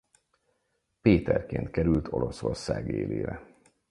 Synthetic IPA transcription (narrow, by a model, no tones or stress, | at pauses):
peːt̪ɛrkeːnt̪kɛɾylt̪ʰo̞loso̞rsaːɡeːleːɾɛ